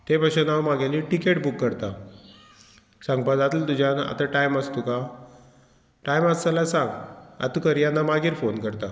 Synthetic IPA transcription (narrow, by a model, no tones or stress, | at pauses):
t̪epaɕunamaɡeliʈikeʈbukːəɾt̪a | sãŋɡpad͡zat̪ult̪ud͡ʑʱjana̰t̪aʈajməst̪uka | ʈajmat͡salasãŋɡa̰t̪ukəɾjanːamaɡiːɾfonkəɾt̪a